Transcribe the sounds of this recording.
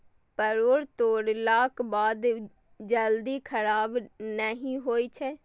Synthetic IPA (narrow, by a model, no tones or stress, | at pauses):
pəɾoːɾt̪oːɽlaːkbaːd̪ | d͡ʒəld̪iːkʰəɾaːbnəɦĩːɦoːiːt͡ʃʰɛː